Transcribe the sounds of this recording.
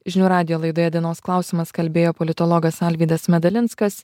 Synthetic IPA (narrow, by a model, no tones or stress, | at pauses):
ʒʲɪnʲuːɾɑːd̪ʲɪjoːlˠɐɪd̪oːjɛd̪ʲɪnoːsklˠɑˑʊsʲɪmɐskɐlʲbʲeːjoːpɔlʲɪt̪ɔlˠɔɡɐsɑlʲʋʲiːd̪ɐsmʲɛd̪ɐlʲɪntskɐs